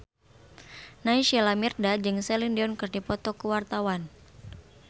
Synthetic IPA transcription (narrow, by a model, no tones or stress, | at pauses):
naiʃalamirdad͡ʒɨŋsɛlindiɔnkɨrdipɔt̪ɔkəwart̪awan